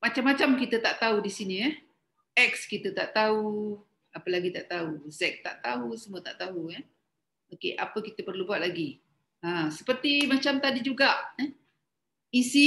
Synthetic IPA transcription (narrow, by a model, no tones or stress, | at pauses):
mat͡ʃamːat͡ʃamkit̪ət̪aʔt̪audisiniə | ɛk̚skit̪ət̪aʔt̪au | apəlaɡit̪aʔt̪auzɛk̚t̪aʔt̪aɦusəmuət̪aʔt̪aɦuə | okḛʔa̰pəkit̪əpərlubuat̪̚laɡi | asə̥pərt̪imat͡ʃamt̪adid͡ʒuɡaʔə | isi